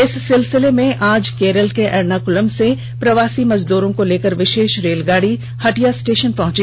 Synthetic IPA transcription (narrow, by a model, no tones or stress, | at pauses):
ɪsːɪlsɪlemẽʔaːd͡ʒkeːɾəlkeʔɛɾnaːkʊləmse | pɾɐʋaːsimɐzd̪uːɾõkoleːkəɾʋɪʃeːʃɾeːlɡaːɽi | hɐʈijasʈeːʃənpɐɦʊ̃t͡ʃi